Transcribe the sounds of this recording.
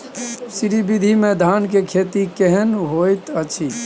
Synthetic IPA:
siɾibid̪ʱimed̪ʱankekʰet̪ikeɦɛnɦojt̪ət͡ʃʰi

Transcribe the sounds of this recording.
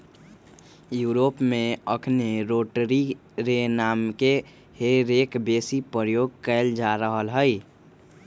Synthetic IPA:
juːɾopmeəkʰneɾoʈɾi | ɾenamke | heɾekbesipəɾəjoɡ̚kəld͡ʒaɾəɦəlɦəɪ

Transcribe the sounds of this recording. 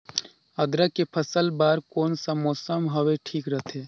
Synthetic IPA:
ɐd̪ɾakepʰəsəlbaːɾkoːnsamɔːsəmɦɐʋeʈʰiːkɾət̪ʰeː

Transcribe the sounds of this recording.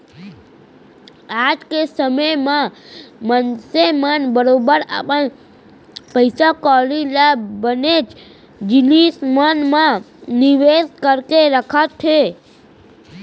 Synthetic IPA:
ad͡ʒkesəməjmãmənsemənbəɾobəɾa̰pən | pəjsakɔlilabənet͡ʃ | d͡ʒɪnismanmã | nɪʋeskəɾkeɾəkʰət̪ʰːe

